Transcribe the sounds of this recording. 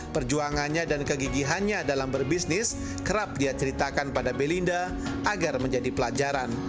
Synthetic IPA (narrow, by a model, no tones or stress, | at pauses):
pərd͡ʒuaŋanɲadankəɡiɡiɦanɲadalambərbisnɪs | kəɾap̚diat͡ʃəɾit̪akanpadabelinda | aɡarməɲd͡ʒadipəlad͡ʒaɾan